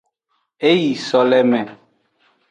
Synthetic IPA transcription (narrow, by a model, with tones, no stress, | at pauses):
e˦ji˨sɔ˨lɛ˦mɛ̃˨